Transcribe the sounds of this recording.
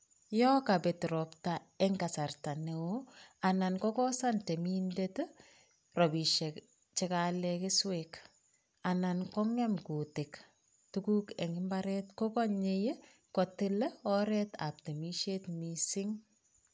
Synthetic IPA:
jɔkabɛtɾɔpta | ɛŋɡasartanewoanankɔkɔsantemindet | rɔbiʃɛk | t͡ʃɪkalɛkɪswek | anankɔŋɛmkutɪk | tukuːkɛŋɪmbaɾɛtkɔkɔɲeje | kɔtɪlɛɔɾɛta̰p̚temiʃetmisɪŋ

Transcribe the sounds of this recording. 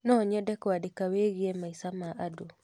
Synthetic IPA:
nɔɲɛdɛkwadekaweɣiemaisamaʔado

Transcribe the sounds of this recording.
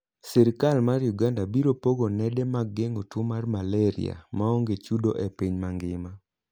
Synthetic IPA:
sɛɾɪkalmarjuɡandabiɾopoɡonɛdɛmaɡːeŋotwomarmalɛɾḭa̰maoŋɡet͡ʃudoʔepiɲmaŋɡɪma

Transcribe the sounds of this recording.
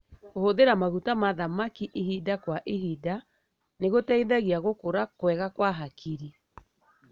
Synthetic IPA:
kohoðeɾamaɣutamaðamakiʔehidakwaʔeɦida | neɣotɛiðaɣiaɣokoɾakwɛɣakwaɦakʰiɾi

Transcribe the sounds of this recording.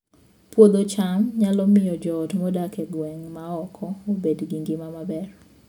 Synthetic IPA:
pwod̪ot͡ʃamɲalɔmɪjɔd͡ʒɔtmɔdakɛɡwɛŋmaɔkʰɔobedɡiŋɡɪmamabɛr

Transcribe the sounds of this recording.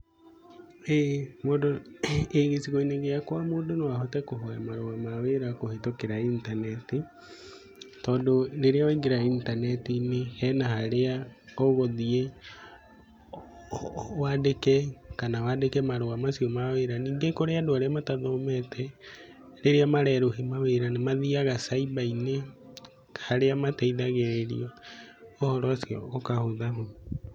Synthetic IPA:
emodoeɣesiɣoineŋɡejakwamoːdonowahotɛkoɦoamaɾoɣamaweɾakohetokeɾaintanɛti | tɔːndoneɾeawiŋɡeɾaintanɛtinehɛnahaɾeaoɣoðie | waːdekɛkanawadekɛmaɾoamasiɔmaweɾaniːŋɡekoɾeadoaɾeamataðɔmɛtʰɛ | ɾeɾeamaɾɛɾohimaweɾanemaðiaɣasaibaine | haɾeamatɛiðaɣeɾeɾḭɔohɔɾɔasjɔːkahoðaɦo

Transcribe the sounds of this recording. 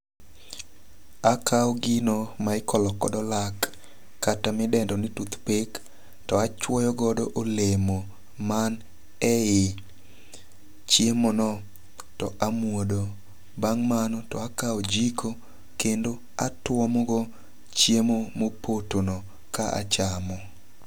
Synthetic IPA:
akʰaɔɡɪnomaɪkɔlɔkɔdɔlakː | atamɪdɛndɔnɪtut̪pek | tɔat͡ʃwɔjɔɡɔdɔʔolemo | man | ɛɪ | t͡ʃjemonɔ | tɔʔamwodo | baŋmanɔtɔakaod͡ʒikʰo | kendo | atwɔmɔɡɔ | t͡ʃjemomopʰotonɔ | kaʔa̰t͡ʃamɔ

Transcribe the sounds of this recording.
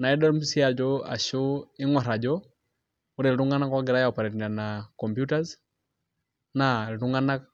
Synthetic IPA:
naɛdɔm̩siad͡ʒɔa̰ʃuiŋwaɾad͡ʒɔ | uɾɛlɾuŋɡanakwaɡɛɾajaɔpaɾɛinanakɔmpjutaz | naliɾuŋɡana

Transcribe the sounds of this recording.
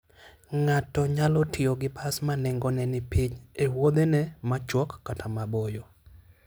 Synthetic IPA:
ŋatɔɲalɔtʰɪoɡɪpʰasmanɛŋɡɔnɛnɪpiɲewod̪enɛmat͡ʃwɔkːatʰamabojo

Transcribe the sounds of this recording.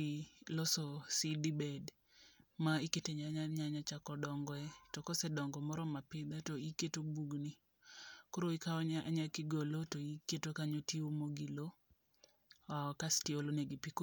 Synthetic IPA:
lɔsosidibɛd | maɪketeɲaɲaɲaɲat͡ʃakɔdɔŋɡɔɛtɔkɔsɛdɔŋɡɔmɔɾɔmapɪd̪ɛtoiketobuɡni | koɾoikaɔɲaʔaɲakɪɡolotoiketokaɲotiomoɡilo | kastioloneɡipiko

